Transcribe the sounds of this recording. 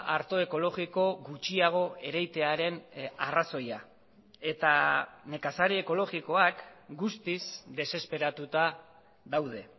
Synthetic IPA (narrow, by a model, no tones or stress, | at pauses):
aɾt̪o̞e̞ko̞lo̞ɣiko̞ɣut͡ʃiaɣ̞o̞e̞ɾajt̪e̞aɾe̞naraso̞ja̰ | e̞t̪ane̞kasaɾeːko̞lo̞ɣiko̞akɡust̪isd̪e̞se̞spe̞ɾat̪ut̪a | ðawðe̞